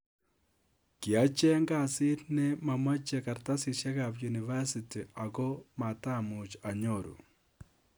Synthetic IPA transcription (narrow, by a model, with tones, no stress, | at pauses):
ki˨a˨˦t͡ʃɛ˦ŋɡa˦˨sɪ˦tnɛ˦ma˨ma˦t͡ʃe˨ka˨ɾta˦si˨ʃɛ˦ka˨pju˨ni˨va˦si˨ti˨a˨ɡɔ˦ma˨ta˦˨mʊ˨t͡ʃa˨ɲo˦˨ɾṵ˨